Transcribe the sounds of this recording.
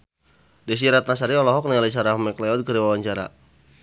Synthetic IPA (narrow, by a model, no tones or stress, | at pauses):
dɛs̬iɾat̪̚nas̬aɾiɔlɔɦɔk̚naalis̬aɾahmɛklɛɔd̚kəɾiwawaɲt͡ʃaɾa̰